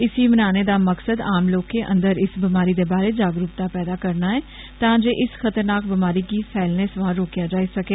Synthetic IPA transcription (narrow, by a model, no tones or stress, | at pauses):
ɪsiːmənaːneːd̪aːməksəd̪aːmloːkːeːʔə̰̃nd̪əɾɪsbɪmaːɾiːd̪eːbaːɾeːd͡ʒaːɡɾuːp̚t̪aːpɛːd̪aːkəɾnaːɦɛː | t̪ãːd͡ʒeːʔɪsxʰət̪əɾnaːkbɪmaːɾiːkiːsʰɛːlneːsʋãːɾoːkjaːd͡ʒaːiːsəkeː